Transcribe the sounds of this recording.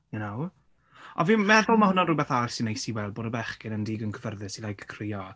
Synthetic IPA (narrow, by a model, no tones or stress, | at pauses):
jʊnow | ɔ̰viːmɛðʊlˠmahʊnanrʊbɛθarsɪnejsiwɛlˠboːdəbɛχkɪnəndiːɡənkʰəvərðɪsilajkʰkʰrɪːɔ